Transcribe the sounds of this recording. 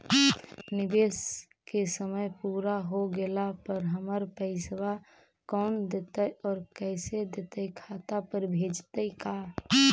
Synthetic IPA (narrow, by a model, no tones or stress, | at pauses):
nɪbeːs | kesəməjpuːɾaɦoɡelapəɾɦəməɾpɛɪsʋa | kɔːnd̪eːt̪əjɔːɾkɛːsed̪et̪əjkʰaːt̪apəɾbʱeːd͡ʒt̪əikaː